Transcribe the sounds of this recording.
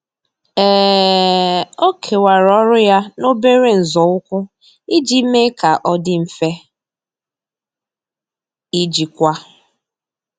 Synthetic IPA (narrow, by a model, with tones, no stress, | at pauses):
ɛ˦˨ | o˦kʰe˨wa˨ɾɔ˦ɾʊ˦ja˦no˦be˦ɾe˦n̩˨zɔ˨ʊ˦kʷʊ˦ | i˦d͡ʒi˦me˦ka˨ʔɔ˦dɪ˦m̩˨fe˦ | i˦d͡ʒi˨kʷa˦